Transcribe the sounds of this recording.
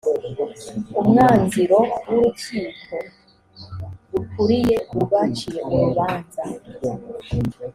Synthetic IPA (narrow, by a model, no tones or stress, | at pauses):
umŋaːnziɾo̞wuɾutiːkʰo̞ | ɾukuɾije̞uβat͡ʃijeuɾuβaːnza